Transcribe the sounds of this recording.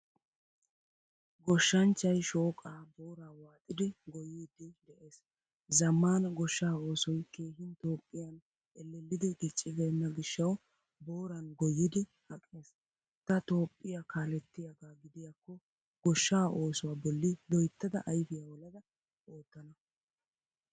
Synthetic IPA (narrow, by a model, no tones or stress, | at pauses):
ɡɔʃːɐnt͡ʃːɐjʃo̞ːkʼaːbo̞ːɾaːwaːt̪ʼɪd̪ɪɡɔjid̪ɪd̪ɛʔeːs | zɐmːaːnɐɡɔʃːaːo̞ːsɔjke̞ːɦɪnt̪o̞ːpʼːɪjɐn | ʔɛlːɛlːɪd̪ɪɡɪt͡ʃʼːɪɡenːɐɡɪʃːɐw | bo̞ːɾɐnɡɔjɪd̪ɪhɐkʼːe̞ːs | t̪ɐt̪o̞ːpʼːɪjakaːlɛt̪ːɪjɐɡaːɡɪd̪ɪjakːɔ | ɡ̥ɔʃːaːʔo̞ːsʊwaːbɔlːɪlɔjt̪ːɐd̪ɐʔɐjfɪjaːwɔlɐd̪ɐ | o̞ːt̪ːɐnɐ